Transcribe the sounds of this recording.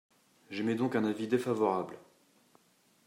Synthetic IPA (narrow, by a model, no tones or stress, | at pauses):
ʒɛmɛd̪ɔ̃kɛ̃navid̪efavɔʁabl